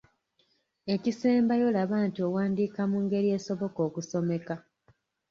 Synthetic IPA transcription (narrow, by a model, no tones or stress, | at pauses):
e̞cise̞ːmbajo̞laβaːntiowaːndiːkamuːŋɡe̞ɾije̞ːso̞βo̞ko̞ːkuso̞me̞ka